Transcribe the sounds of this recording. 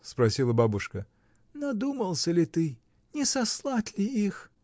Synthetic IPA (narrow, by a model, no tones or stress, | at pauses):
spɾɐsʲilˠəbabʊʂkə | nɐd̪uməlˠsʲəlʲɪt̪ɨ | nʲɪsɐslˠatʲlʲɪix